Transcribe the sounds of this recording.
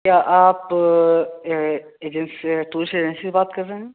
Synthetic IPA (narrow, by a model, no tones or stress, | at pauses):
kjaːʔaːp | eːd͡ʒɛnsʈuːɾseːd͡ʒɛnsisebaːt̪kɐɾːeɦɛ̃ː